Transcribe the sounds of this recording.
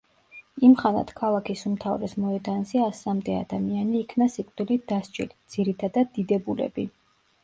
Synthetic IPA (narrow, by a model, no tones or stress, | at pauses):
imχana̰t̪ʰkʰalˠakʰisumt̪ʰavɾɛsmɔɛd̪anziasamd̪ɛa̰d̪amianiːkʰnasikʼd̪ilid̪̥ast͡ʃʼḭlid̪z̥iɾit̪ʰad̪ad̪ːid̪ɛbulɛ̰bi